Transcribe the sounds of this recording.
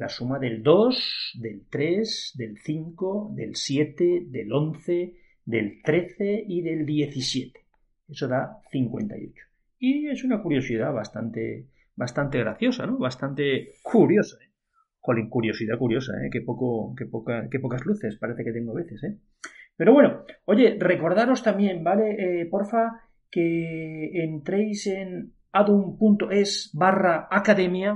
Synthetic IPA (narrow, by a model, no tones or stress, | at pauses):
lasumaðe̞ld̪o̞sðe̞lt̪ɾe̞zd̪e̞lθiŋkoðe̞̰lsje̞t̪eðe̞lo̞nθe̞ | ðe̞lt̪ɾe̞θe̞iðe̞ld̪je̞θisje̞t̪e̥ | e̞so̞ðaθiŋkwe̞̰nt̪a̰jo̞t͡ʃo̥ | ie̞sunakuɾjo̞sið̞aβast̪ant̪e | βast̪ant̪eɣɾa̰θjo̞sa̰noβast̪ant̪ekuɾjo̞sae | xoliŋkuɾjo̞siðakuɾjo̞sa̰ḛkepo̞kokepokake̞po̞kazluθe̞spaɾeθe̞ke̞t̪e̞ŋɡoaβe̞θe̞se | pe̞ɾo̞βwe̞noo̞ʝe̞re̞ko̞ɾðaɾo̞st̪amjẽ̞mbale̞ʔpoɾfa | keː | nt̪ɾejse̞n | aðumpunt̪oe̞sbaraːkaðe̞mja